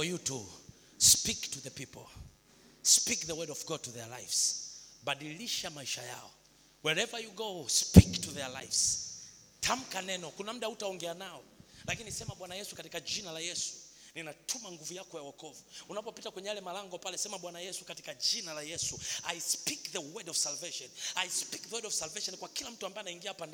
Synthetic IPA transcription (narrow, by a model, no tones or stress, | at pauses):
fɔjutu | spiktuðəpipɔ̰l | spikðəwɜdɔvɡɔd̚tuðɛla̰jfsɓaɗiliʃamaiʃa̰ja̰ɔ̰ | wɛɹɛvajuɡospiktuðɛla̰jfs | tʰam̩kanɛnɔkunam̩ɗautaɔŋɡɛanaɔlakinisɛmaɓwanajɛsukatikaʄinalajɛsu̥ninatʰumaŋɡuvujakɔjawɔkɔvuunapɔpitakwɛɲɛjalɛmalaŋɡɔpalɛsɛmaɓwanajɛsu̥kati̥kaʄinalajɛsuajspikðəwɛdɔvsalvɛʃɔnajspikðəwɛdɔvsalvɛʃɔnkwakilam̩tuambaɛnaiŋɡiapanda